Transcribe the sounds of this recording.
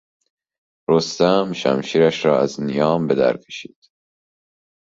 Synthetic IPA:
ɾost̪æmʃæ̰mʃiːɾæʃɾɒːæznijɒːmbe̞d̪æ̰ɾkʰe̥ʃi̥̰ːd̪̥

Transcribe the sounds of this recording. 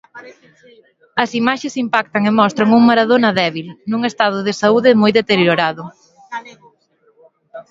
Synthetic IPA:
ɐsimaʃesimpak̚t̪ɐŋemɔst̪ɾɐŋuŋmaɾaðonɐðɛβilnuŋest̪að̞ʊðɪsauðɪmojðet̪eɾjoɾaðʊ

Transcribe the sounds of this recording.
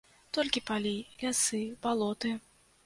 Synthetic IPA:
t̪ɔlʲkʲipalʲilʲasɨb̥alˠɔt̪ɨ

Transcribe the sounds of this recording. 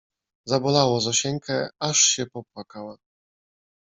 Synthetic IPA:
zabɔlawɔzɔɕɛŋkʰɛaʂɕɛpɔp̚wakawa

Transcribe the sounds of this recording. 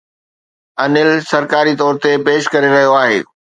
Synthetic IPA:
ɐnɪlsɐɾkaːɾit̪ɔːɾt̪epeːʃkɐɾeɾɐɦijoaːɦḛː

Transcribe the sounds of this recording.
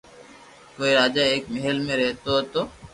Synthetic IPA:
koːiɾaːd͡ʒaeːkmeɦəlmẽɾɛɦt̪oɦot̪oː

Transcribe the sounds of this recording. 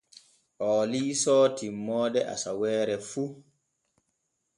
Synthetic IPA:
ʔɔːliːsɔːtimːɔːdɛʔa̰sawɛːɾɛfu

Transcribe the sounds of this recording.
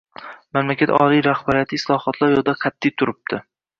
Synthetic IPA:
mamlakʲat̪ʰɒ̰lijɾahbaɾijat̪ʰɪɪslˠɒhɒt̪ʰlˠaɾjɒd̪aqʰɑt̪ʰːɪjt̪ʰʊɾɪp̚t̪ʰɪ

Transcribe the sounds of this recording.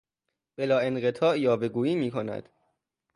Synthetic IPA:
b̥e̞lɒːe̞nɢet̪ʰɒːʔjɒːbe̞ɡuːiːmiːkʰo̞næ̰d̪̥

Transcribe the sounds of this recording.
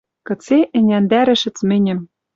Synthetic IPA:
kɤ̆t͡seʔɘ̆nʲænd̪æɾɘ̆ʃɘ̆t͡smɘ̆nʲɘ̆m

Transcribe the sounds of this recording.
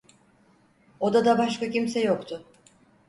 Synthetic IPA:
o̞d̪ad̪abaʃkacimsɛjo̞kt̪ʰʊ

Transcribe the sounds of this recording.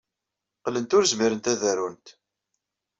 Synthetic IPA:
qlənt̪ʊɾzmiɾənt̪æðærunt̪

